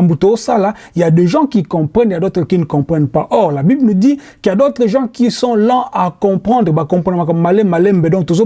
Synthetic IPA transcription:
mbutoosala | jadeʒɑ̃kikɔ̃pχɛnjadot̪χəkinəkɔ̃pχɛnpaʔɔʁlabiblnudi | kjadot̪χəʒɑ̃kisɔ̃lɑ̃akɔ̃pχɑ̃nd̪ʁəbakɔ̃pʁd̪makamalɛmalɛmbɛdɔ̃k̚t̪ozo

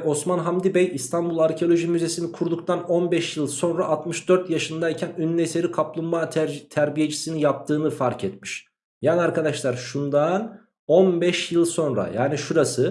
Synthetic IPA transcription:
o̞smanɦamd̪ibɛjist̪ʰanbulˠaɾcʰeo̞lʲˠo̞ʒimyze̞sinikʰuɾd̪uk̚t̪ano̞nbɛʃjɯlˠso̞nɾaʔːt̪mɯʃd̪̥øɾt̪jaʃɯnd̪aicʰænynːese̞ɾikʰaplˠunmaːt̪ʰæɾbije̞t͡ʃʰi̥sinijap̚t̪ʰɯːnɯfaɾcʰɛt̪miʃ | jaːniaɾkad̪aʃlˠaɾʃund̪an | o̞nbɛʃjɯlˠso̞nɾa̰jaːniʃuɾasɯ

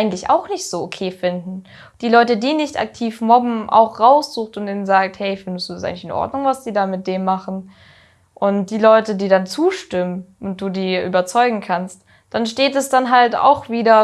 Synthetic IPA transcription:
aɪɡŋ̩tlɪça̰ʊxnɪçtz̥oːokʰeːfɪndn̩ | d̥iːlɔʏtədiːnɪçtʔa̰k̚tʰiːfmɔbm̩ʔa̰ʊxʁaʊsz̥uːxtʊntʔiːnənzaːk̚thɛɪɪfɪndəstd̥uːdas̬ʔaɪɡŋ̩lɪçɪnʔɔ̰ɐdnʊŋvasd̥iːdaːmɪt̚d̥eːmːaχn̩ | ʔʊnt̚d̥iːlɔʏtədiːdant͡suːʃtɪmənʔʊnt̚d̥uːdiːʔyːbɐt͡sɔʏɡŋ̩kʰanst | d̥anʃteːtɛsd̥anɦalta̰ʊxv̥iːdɐ

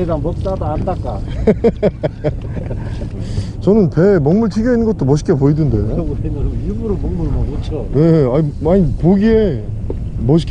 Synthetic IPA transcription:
eɾaŋmʌk̚t͈adaandak͈a | t͡ɕʌnɯnpe̞mʌŋmuɭtʰiɡjʌinːɯnɡʌt͈omʌɕ̬ʰi̥k͈epoidɯndejo | iɡuɾomʌŋmuɭmɯone̞aɲiaɲipoɡie | mʌɕ̬ʰi̥k

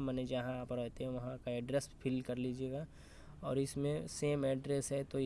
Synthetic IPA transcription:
məned͡ʒɐɦãaːpɾɛɦt̪eɦɛ̃ʋɐɦãkaɛɖɾespʰɪlkɐɾlid͡ʒieːɡaː | ɔːɾɪsmẽseːmɛːɖɾɛsɦɛt̪o

